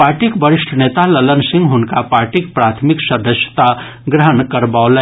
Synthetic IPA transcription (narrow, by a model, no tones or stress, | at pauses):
paːɾʈikbəɾɪʃʈʰəneːt̪alələnsɪ̃ŋɡɦʊnkapaːɾʈikpɾaːt̪ʰmɪksəd̪əsjə̥t̪a | ɡɾəɦənkəɾbaolɛ